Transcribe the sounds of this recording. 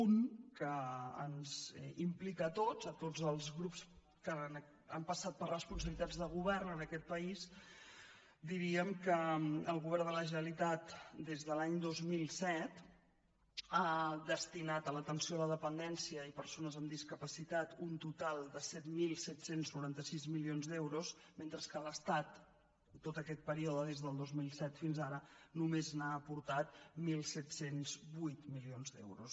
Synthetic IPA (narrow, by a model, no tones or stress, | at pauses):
unkəənzimplikət̪ozət̪od͡zəlˠzɣɾups | kən | əmpəsat̪̚pərrəspuns̬əβlit̪ad͡zðəɣ̞uβɛrnənəkɛt̪̚pəiz | d̪iɾiəmkəəlˠɣuβɛɾd̪ələʒənəlit̪at̪d̪ezðəlaɲd̪ozmilˠsɛt̪ | ad̪əst̪inat̪ələt̪ənsioələðəpənd̪ɛnsiəipəɾsonəzəmd̪iskəpəsit̪at̪unt̪ut̪alˠd̪əsɛt̪milˠsɛt̪senznuɾant̪əsizmilionzd̪ɛwɾusment̪ɾəskələst̪at̪ː | ot̪əkɛt̪̚pəɾiɔðəðezðəlˠd̪ozmilˠsɛt̪finzaɾənumeznaəːpuɾt̪at̪milˠsɛt̪senzbujt̪milionzd̪ɛ̰wɾus